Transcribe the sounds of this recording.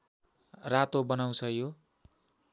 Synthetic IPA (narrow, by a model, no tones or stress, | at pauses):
rat̪obʌnaw̃t͡sʰʌjo